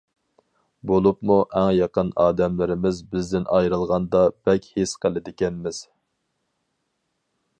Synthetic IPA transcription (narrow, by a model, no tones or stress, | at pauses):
bolˠupmuʔɛŋjɑqənɑːd̪ɛmlɪɾɪmɪzbɪzd̪ɪnʔɑjɾɨlˠʁɑnd̪ɑb̥ɛkʲhesqʰəlˠɪd̪ɪkʲɛnmɪz̥